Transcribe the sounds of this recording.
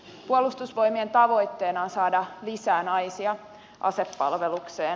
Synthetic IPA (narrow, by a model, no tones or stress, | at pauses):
puolust̪usʋo̞jmie̞nt̪ɑʋo̞jt̪ːe̞ːnɑːnsɑːdɑlisæːnɑjsiɑ | ʔɑ̰sepːɑ̰lʋe̞lukseːn